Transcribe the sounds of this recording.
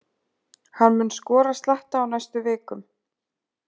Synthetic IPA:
hanmʏnskɔːɾast̪laht̪aːwnajst̪ʏvɪːkʏm

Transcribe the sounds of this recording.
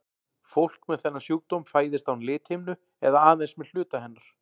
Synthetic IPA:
fowl̥kmɛðθɛnːasjuːwt̪owmfaːjðɪst̪awnlɪːt̪hɪjmnʏ | ɛðaaːðejnsmɛðl̥ʏːt̪ahɛnːaɾ̥

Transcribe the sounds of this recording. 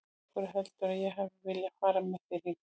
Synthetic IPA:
kʏɾʏɦɛlt̪ʏɾaðjɛɦavɪvɪlːjafaːɾamɪθɪɾi

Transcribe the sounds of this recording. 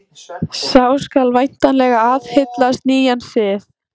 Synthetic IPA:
saːwskalvajn̥t̪anlɛːɣaaðhɪt̪last̪niːjansɪθ

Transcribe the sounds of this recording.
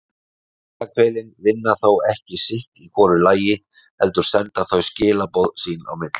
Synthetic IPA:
aːkvɛːjlɪnvɪnːaθowɛhcɪsɪht̪ikʰɔːɾʏlaːjɪ | hɛlt̪ʏɾ̥sɛnt̪aθœɥscɪːlapowðsiːna̰wmɪt̪l̥

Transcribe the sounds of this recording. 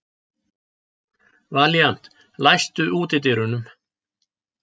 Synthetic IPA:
vaːlian̥t̪ | lajst̪ʏʔuːt̪ɪt̪̬ɪɾʏnʏm

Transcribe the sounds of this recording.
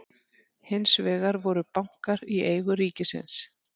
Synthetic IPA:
hɪnsvɛːɣaɾvɔɾʏpawŋ̥kaɾieːjɣʏɾiːcɪsɪ̰ns

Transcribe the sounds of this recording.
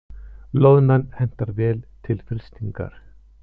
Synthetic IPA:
loːwnanhɛn̥t̪aɾvɛːlt̪ʰɪlfɾɪ̥st̪iŋka̰ɾ̥

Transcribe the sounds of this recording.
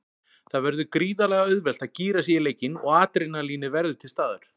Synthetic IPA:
θaðvɛɾðʏkɾiːðalɛɣaœðvɛl̥t̪aðciːɾasijɪleːjcɪnɔ̰ɣaːt̪ɾenːaliːnɪvɛɾðʏt̪ʰɪlst̪aːðaɾ̥

